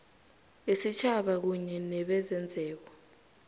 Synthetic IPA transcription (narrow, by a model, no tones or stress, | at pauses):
isit͡ʃʰaɓak̬uɲɛnɛɓɛzɛnd͡zʱɛːk̬wɔ